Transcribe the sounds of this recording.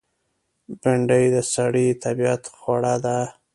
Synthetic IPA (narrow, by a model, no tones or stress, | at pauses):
b̥ɪɳɖəjd̪əsaɽit̪ʰabijat̪xwaɽad̪a